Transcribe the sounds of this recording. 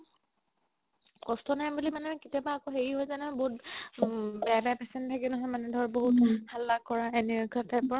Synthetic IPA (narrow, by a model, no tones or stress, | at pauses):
kɔstɔnajbulimanɛkitijabaːkoxeɹiɦojzanɔboɦut | bɛabɛapɛsɛntʰakinɔɦɔjmanɛdʱɔɹboɦuthalːakɔɹaɛnɛɡʰʱatɛpɔɹa